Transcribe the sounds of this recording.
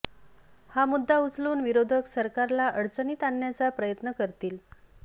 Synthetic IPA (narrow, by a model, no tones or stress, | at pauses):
hamud̪ʱːaut͡sluːnʋiɾod̪ʱəksəɾkaɾlaʔəɽt͡səniːt̪aɳːjat͡sapɾəjət̪nəkəɾt̪iːl